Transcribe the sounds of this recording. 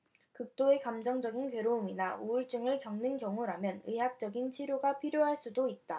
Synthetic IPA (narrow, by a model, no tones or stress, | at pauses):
kɯk̚t͈oe̞kamd͡ʑʌŋd͡ʑʌɡinkɥeɾouminauuɭt͡ɕ͈ɯŋɯɭkjʌŋnɯnkjʌŋuɾamjʌnɯɦak̚t͡ɕ͈ʌɡint͡ɕʰiɾjoɡapʰiɾjoɦaɭs͈udoit̚t͈a